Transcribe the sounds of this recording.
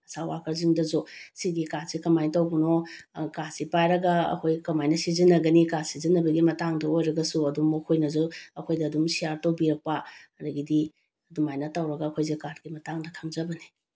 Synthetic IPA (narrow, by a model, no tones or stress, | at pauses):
ɐsawakʰɐɾziŋdɐzusiɡikaɾsikɐmajtɐwbuno | kasipajɾɐɡɐɐ̰kʰojkɐmajnɐsizinːɐɡɐnikasizinːɐbɐɡimɐtaŋdɐojɾɐɡɐsuɐdumokʰojnɐzuɐkʰojdɐːdumsijaɾtowbiɾɐk̚paɐɾɐɡidi | ɐdumajnɐtawɾɐɡɐɐkʰojzikaɾɡimɐtaŋdɐkʰaŋzɐbɐni